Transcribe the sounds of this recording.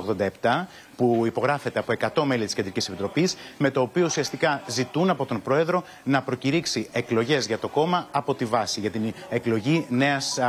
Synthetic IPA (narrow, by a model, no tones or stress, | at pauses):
oɣðo̞nd̪ɐe̞pt̪ɐ | puipo̞ɣɾɐfe̞t̪e̞ɐpoe̞kɐt̪o̞me̞lit̪isce̞nd̪ɾicise̞pit̪ɾo̞pisme̞t̪o̞ːpio̞usiɐst̪ikɐzit̪unɐpo̞t̪o̞mpɾo̞e̞ðɾo̞ | nɐpɾo̞ciɾiksie̞klo̞ʝe̞zʝɐt̪o̞ko̞mɐɐpo̞t̪ivɐsiʝɐt̪ineklo̞ʝine̞ɐs